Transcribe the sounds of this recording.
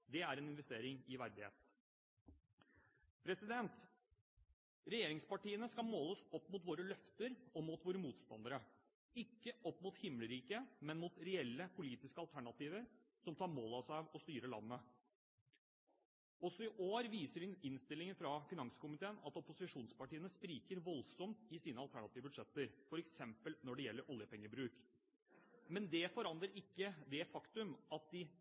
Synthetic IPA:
d̪ɛæɾɛnɪnʋɛst̪eːɾɪŋɪʋæɾd̪ɪhḛːt̪ | pʰɾɛsɪd̪ɛnt̪ | ɾɛjeːɾɪŋspɑʈiːənəskɑlmoːlɔsɔpːmʊːt̪ʋoːɾəlœft̪əɾɔmuːt̪ʋoːɾəmuːt̪st̪ɑ̰nd̪əɾə | ɪkːəʔɔpːmʊːt̪hɪmːləɾiːkəmɛnmuːt̪ɾɛɛlːəpʰʊliːt̪ɪskəɑlt̪ʰæɳɑt̪iːʋəɾ | sɔmt̪ʰɑːɾmoːlɑsɑːʋɔst̪yːɾəlɑ̰nːə | ɔsːɔɪʔoːɾʋiːsəɖɪɪnst̪ɪlːɪŋəfɾɑfɪnɑŋskʊmɪt̪ʰeːnɑt̪ɔpʊsɪʂuːnspɑʈiːənəspɾiːkəɾʋɔlsɔmt̪ɪsiːnəɑlt̪ʰæɳɑt̪iːʋbʉd̪ʂɛt̪ːəɾfɔɾɛksɛmpəlnɔɖɛjɛlːəɾʔɔljəpɛŋːəbɾʉːk | mɛnd̪ɛfɔɾɑnd̪ɾəɾɪkːəd̪ɛfɑkt̪ʉmɑt̪̚d̪ɪ

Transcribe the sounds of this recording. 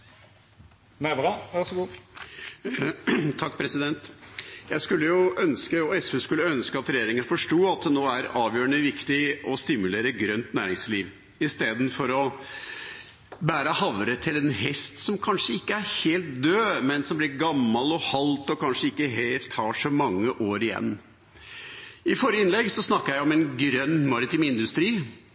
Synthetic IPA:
næbɑʋæʁsɔɡuː | t̪ʰɑkːpʰɾɛsɪd̪ɛnt̪jæɪskʉlːəjʊœnskəɔɛsʉːskʉlːəœnskəɑt̪ɾɛjeːɾɪŋənfɔʂʈuːɑt̪̚d̪ɛnoːæɾɑːʋjøːɾəɳəʋɪkt̪ɪɔst̪ɪmʉleːɾəɡɾœnt̪næːɾɪŋsliːʋ | ɪst̪eːd̪n̩fɔɾɔ | bæːɾəhɑʋɾət̪ʰɪlɛnhɛst̪sɔmkʰɑnʂəɪkːəæɾheːlt̪̚d̪øːmɛnsɔmblɪɾɡɑmːɑlɔhɑlt̪ɔkʰɑnʂəɪkːəɦeːlt̪ʰːɑːʂɔmɑŋːəʔoːɾɪjɛ̰nː | ɪfɔɾjəɪnlɛɡsɔsnɑkːəɾjæɪɔmɛnɡɾœnːmɑɾɪt̪iːmɪnd̪ʉst̪ɾiː

